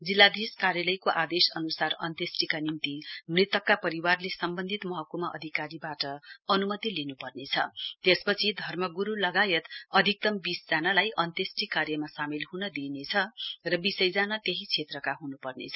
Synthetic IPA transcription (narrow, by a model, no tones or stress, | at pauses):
d͡zilːad̪ʱiskaɾjalʌjkoʔad̪esʌnusarʌ̰nt̪jesʈikanimt̪imrit̪ʌkːapʌɾiwarlesʌmbʌnd̪ʱit̪mʌɦʌkumaʔʌ̰d̪ʱikaɾibaʈʌʌnumʌt̪ilinupʌrnet͡sʰʌ̰t̪espʌt͡sʰid̪ʱʌrmʌɡuɾulʌɡajʌt̪ʌd̪ʱik̚t̪ʌmbisd͡zanalajʔʌnt̪esʈikarjʌmasamilɦunʌd̪inet͡sʰʌrʌbisʌjd͡zanat̪eɦit͡sʰet̪rʌkaɦunupʌrnḛt͡sʰʌ